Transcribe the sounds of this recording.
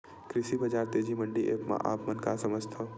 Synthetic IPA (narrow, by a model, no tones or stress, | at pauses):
kɾɪʃibɐd͡ʒaːɾt̪eːd͡ʒimə̃ɳɖiʔeːkmã̰ʔa̰ːpmənkasɐməd͡ʒt̪ʰo